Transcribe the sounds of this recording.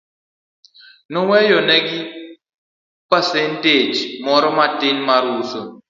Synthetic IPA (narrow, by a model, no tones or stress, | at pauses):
nɔwɛjɔnɛɡɪ | pasɛnted͡ʒmɔɾɔmatɪnmaɾuso